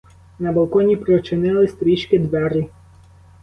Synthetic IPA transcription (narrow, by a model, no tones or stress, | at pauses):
nɐbɐlˠkɔnʲipɾɔt͡ʃɪnɪlˠɪst̪ɾʲiʃkɪd̪ʋɛɾɪ